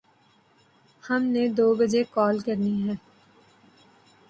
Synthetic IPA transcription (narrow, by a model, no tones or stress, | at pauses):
hɐmned̪oːbɐd͡ʒekɔːlkɐɾniɦɛ̃ː